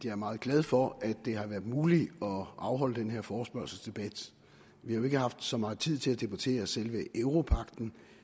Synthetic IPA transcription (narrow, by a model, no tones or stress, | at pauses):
d̥iæɐmɑ̈ːð̞̩ˠɡ̥lɛð̞ˠfɒ̽ʔæd̥ːe̝hɑ̈ʋæːɐd̥ˠmuːliɒ̽ʔɑ̈ʊɦɒ̽l̰əd̥enɦe̝ɐfɒːsb̥ɶɐ̰sl̩sd̥e̝b̥æd̥ | ʋihɑ̈jo̝e̝ɡ̥əɦɑ̈fd̥sɒ̽mɑ̈ːt͡sʰið̰ˠt͡sʰe̝læd̥e̝b̥ut͡sʰe̝̰ːɐsel̰ʋəʔeʊʁo̝pʰɑ̈ɡ̥d̥n̩